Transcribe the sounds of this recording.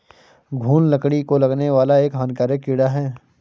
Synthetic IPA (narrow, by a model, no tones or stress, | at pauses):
ɡʱuːnlɐkɽ̃ikolɐɡneʋaːlaeːkɦaːnkaːɾəkːɪɽaɦɛː